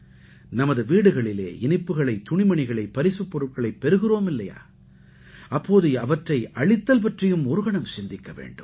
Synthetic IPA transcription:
nɐmɐðɯʋiːɽɯɣɐɭɪlḛːɪnɪpːɯɣɐɭɐɪt̪ːʊɳɪmɐɳɪɣɐɭɐɪpːɐɾɪsɯpːɔɾɯʈ̚kɐɭɐɪpːɛɾɯɣɯroːmɪlːɐja̰ː | ɐpːoːðɯɐʋɐʈrɐɪʔɐɭɪt̪ːɐlpɐʈrɪjɯmɔɾɯɣɐɳɐmsɪnd̪ɪkːɐʋḛːɳɖɯm

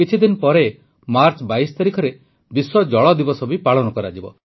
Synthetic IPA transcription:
it͡ʃʰid̪inpɔɾe | maɾt͡ʃbaisɔ̥t̪aɾikʰɔɾe | biswɔd͡ʒɔɭɔd̪ibɔsɔbipaɭɔnɔkɔɾad͡ʒibɔ̰

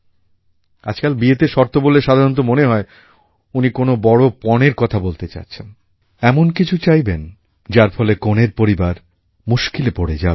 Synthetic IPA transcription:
a̰d͡ʑkalbiet̪eʃɔɾt̪oboleʃad̪ʱaɾont̪̬omoneɦɔe | unikonobɔɽopɔneɾkɔt̪ʰabolt̪et͡ɕa̰t͡ɕʰen | ɛmonkit͡ɕʰut͡ɕajben | d͡ʑaɾfɔlekoneɾpoɾibaɾ | muʃkilepoɽed͡ʑa

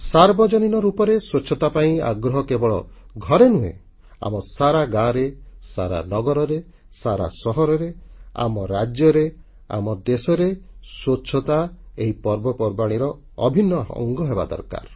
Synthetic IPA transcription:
saɾbɔd͡ʒɔninɔɾupɔɾeswot͡ʃʰɔt̪apaĩa̰ɡɾɔɦɔkebɔɭɔɡʱɔɾenuḛ | a̰mɔsaɾaɡaɾesaɾa̰nɔɡɔɾɔɾe | saɾa̰sɔɦɔɾɔɾea̰mɔɾad͡ʒjɔɾe | a̰mɔd̪esɔɾeswot͡ʃʰɔt̪aeɦipɔɾbɔpɔɾbaɽ̃iɾɔ | ɔbʱinːɔɔ̰ŋɡɔɦeba̰d̪ɔ̰ɾka̰ɾ

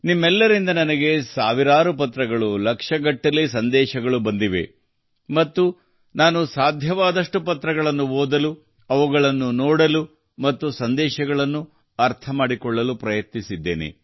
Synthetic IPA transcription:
nimːɛlːɐɾind̪ɐnɐnɐɡe̞saːʋiɾaːɾupɐt̪ːɾɐɡɐɭulɐkʂɐɡɐʈːɐlːisɐnd̪ɛːʃɐɡɐɭubɐnd̪iʋe̞̰ | mɐt̪ːu | naːnusaːd̪ʱjɐʋaːd̪ɐʂʈupɐt̪ɾɐɡɐɭɐnːuɦoːd̪ɐlu | ɐʋuɡɐɭɐnːunɔːɽɐlu | mɐt̪ːusɐnd̪ɛːʃɐɡɐɭɐnːu | ɐɾt̪ʰɐmaːɽikɔɭːɐlupɾɐjɐt̪nisid̪ːe̞̰ːnḛ

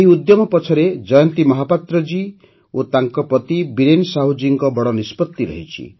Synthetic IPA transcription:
eɦiud̪jɔmɔpɔt͡ʃʰɔɾed͡ʒɔjɔnt̪imɔɦapat̪ɾɔd͡ʒi | ot̪aŋkɔpɾɔt̪ibiɾensaɦud͡ʒiŋkɔbɔɽɔnispɔt̪ːiɾɔ̰ɦit͡ʃʰḭ

